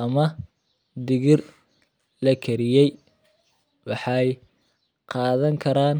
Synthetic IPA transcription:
ɐmɐ | d̪ɪɣɪr | lɐkʰɐɾɪjɛj | wɑħɑj | qɑːðɐŋkʰɐɾaːn

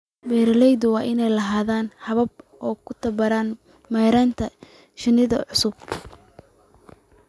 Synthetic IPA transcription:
bɛːɾlɛjðʊwɑːʔɪnɛjlɐɦaːðaːnhɐβɐb̚ʔɔːkʰʊt̪ʰɐbɐɾaːn | mɛjɾaːnt̪ʰɐ | ʃɪnɪðɐ̰ʕʊsʊb̚

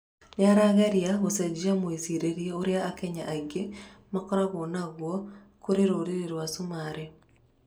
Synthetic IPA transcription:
neaɾaɣaɾjaɣosɛd͡ʑiamoiziɾeɾijeoɾeaːkɛɲaʔaɡemakɔɾaɣonaɣwɔ | koɾeɾoɾeɾeɾwasumaɾe

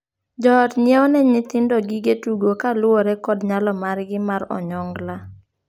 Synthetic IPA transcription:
d͡ʒɔtɲɪeɔnɛɲɪt̪ɪndɔɡiɡetuɡokalwoɾɛkɔdɲalɔmarɡɪmaɾɔ̰ɲɔŋɡla

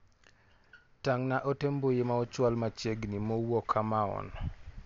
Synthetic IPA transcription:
taŋnaʔotembojemaɔt͡ʃwalmat͡ʃeɡnimɔwɔkʰamaɔ̰n

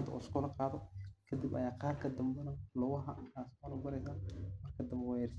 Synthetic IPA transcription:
t̪ʰɐɔ̰ːɪskɔːlɐqɑːðɔkʰɐd̪ibɐ̰jaːqɑːrkʰɐd̪ɐmbɛnɐlʊɣʊɦɐʔaːskɔːlɐbɐɾɛjsaːmɐrkʰɐd̪ɐmbɛwaɛrs

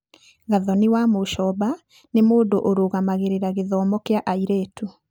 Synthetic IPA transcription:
ɣaðɔniwamoʃɔba | nemoːdoʔoɾoɣamaɣeɾeɾaɣeðɔːmɔkeaʔaiɾeːtu

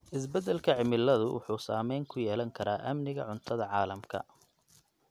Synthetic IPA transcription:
ʔɪsbɛd̪ɛlkʰɐʕɪmɪlɐðʊwʔʊ̰ħuːsaːmɛjŋkʰʊjɛːlɐŋkʰɐɾaːʔɐmnɪɣɐ̰ʕʊnt̪ʰɐðɐʕɑːlɐmkʰɐ̰

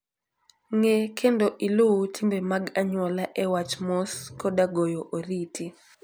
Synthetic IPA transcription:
ŋɛkʰɛndɔʔilutʰimbɛmaɡaɲwɔlaʔɛwat͡ʃmɔskɔɗaɡɔjɔʔoɾitʰi

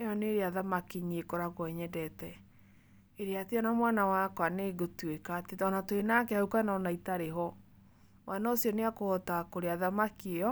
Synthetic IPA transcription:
eɔneɾeaðamakiɲiekoɾaɣwɔɛɲɛdɛtɛ | eɾeateɔnamwanawakwaneɡotwekatetɔnatoenakɛaukanɔnaitaɾeɦɔ | wʔanaosiɔneakoɔtakoɾeaðamakieɔ

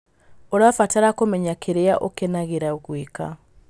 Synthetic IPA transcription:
oɾafataɾakomɛɲakʰeɾeaʔokenaɣeɾaoɣweka

